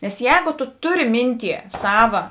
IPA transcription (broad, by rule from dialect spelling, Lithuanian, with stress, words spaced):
nʲɛs ˈjɛːɡoː toː ˈtʊˌrʲɪ ˈmʲɪnʲˌtʲiɛ ˈsɑːʋɐ